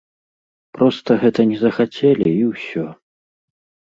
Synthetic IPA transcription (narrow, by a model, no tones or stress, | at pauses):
pɾɔst̪ɐɣɛt̪ɐnʲɛzɐxat͡sʲɛlʲiiwsʲɔ